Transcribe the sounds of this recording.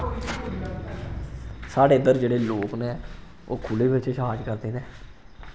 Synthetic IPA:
saːɽeːd̪əɾd͡ʒeːɽeːloːkneː | o̰ːkʰʊːleːbɪt͡ʃʃɦaːd͡ʒkəɾd̪eːneː

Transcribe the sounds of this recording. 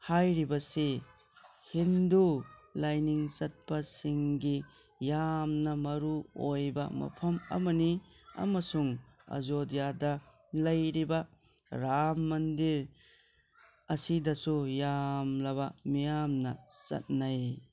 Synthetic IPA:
hajɾibɐse | hindulajniŋt͡ʃɐt̚pasiŋɡi | jamnɐmɐɾuojbɐ̰mɐ̰pʰɐmɐ̰mɐni | ɐ̰mɐsuŋ | ɐ̰zodijadɐ | lɐjɾibɐ | ɾamːɐndiɾ | ɐsidɐsujamlɐβɐmijamnɐt͡ʃɐ̰t̚naj

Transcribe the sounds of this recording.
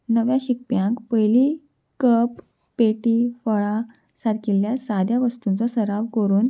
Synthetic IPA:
nəʋjãɕik̚pjãŋkpəjli | kəpː | eʈiːfəɭa | sad̪keljasad̪ʱjaʋəst̪unt͡sɔsəɾaʋkəɾuːn

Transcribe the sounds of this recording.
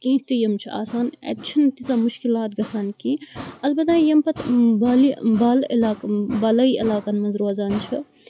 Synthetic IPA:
kĩːt͡ʃʰt̪ijɐmt͡ʃʰia̰ːsaːnḛtt͡ʃʰɐnt̪izaːmuʃkilaːt̪̚ɡɐsaːnkiɐlbɐt̪aːjɐmpɐt̪baːlibaːlḭlaːkbɐlɐiʔɐ̰laːkɐnmɐzɾuɐzaːnt͡ʃʰi

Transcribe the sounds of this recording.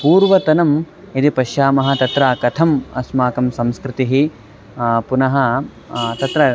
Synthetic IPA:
puːɾʋɐt̪ɐnɐm | id̪ipɐʃjaːmɐɦɐ̆t̪ɐt̪ɾaːkɐt̪ʰɐmɐ̰smaːkɐmsɐmskɾɪt̪iɦi | punɐɦɐ | t̪ɐt̪ɾɐ

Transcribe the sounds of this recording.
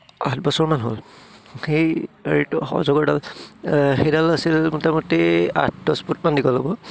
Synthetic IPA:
atbɔsɔɹmanɦo̰l | xejeɹitxɔ̰zɔɡɔɹdal | xejdalasilmutamɔtːea̰t̚ʰdɔsput̚mandikɔlobɔ

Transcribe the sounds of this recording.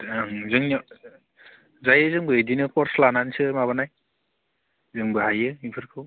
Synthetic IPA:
zɯŋ | zajɯzɯŋbɯedinɯkɔɾslanansɯmaβanaj | zɯŋbɯɦajɯipʰɯɾkʰɯw

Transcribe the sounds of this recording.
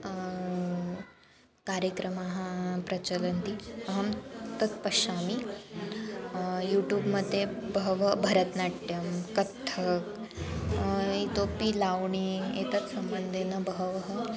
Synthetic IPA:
kaɾjəkɾəmaɦãpɾɐt͡ɕələnt̪iəɦəmt̪ət̪̚pəɕami | juʈjuːbməd̪ʱːjebəʋəbʱəɾət̪naʈʈjəmkət̪ʰːək | it̪opilawɳiet̪ət͡ssəmbənd̪ʱenəbəɦəʋəɦə

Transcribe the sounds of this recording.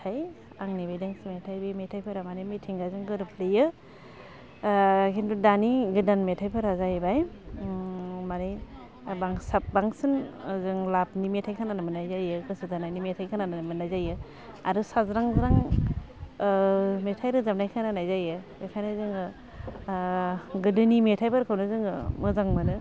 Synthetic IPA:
tʰaj | aŋnibajdaŋsimetʰajbimetʰajpʰɯɾamanimetʰiŋɡazɯŋɡɯɾɯpʰlɯjɯ | kintudaniɡɯdanmetʰajpʰɯɾazajbaj | mani | baŋsap̚baŋsɯnzɯŋlapnimetʰajkʰananɯmɯnajzajɯkɯsɯzanajnimetʰajkʰananaamɯnajzajɯ | a̰ɾɯsazɾaŋzɾaŋ | metʰajɾɯzap̚najkʰananajzajɯ | ajkʰajnɯzɯŋɯ | ɡɯdɯnimetʰajpɯɾkʰɯwnɯzɯŋɯmɯzaŋmanɯ

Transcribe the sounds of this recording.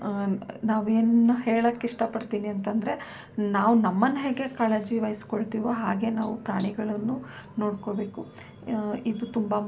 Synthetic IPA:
naːʋeːnuɦeːɭɐkːiʂʈɐpɐɽt̪iːniɐnt̪ɐnd̪ɐɾe̞ | naːʋunɐmːɐnːɐɦeɡe̞kaːɭed͡ʒiʋɐjskoɭt̪iːʋoɦaːɡe̞naːʋupɾaːɳiɡɐɭɐnːuno̞ːɽkobe̞ːku | id̪ut̪umbɐ

